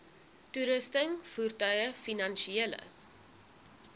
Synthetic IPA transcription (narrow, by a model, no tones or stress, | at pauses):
tuɾəstəŋfurtœɥəfinɐnʃielə̰